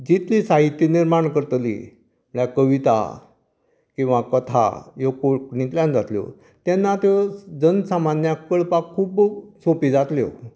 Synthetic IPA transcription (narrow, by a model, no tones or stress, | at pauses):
d͡ʑit̪ʰlisaɦit̪ːjiniɾmaɳkəɾt̪lḭ | məɽjakəʋit̪a̰ | kĩw̃ʋakət̪ʰa̰jokoknĩt̪ljãnd͡zat̪ljo̰ | t̪janːat̪ed͡zənsamanjakəɭpakʰːuːbsõpid͡zat̪ljo̰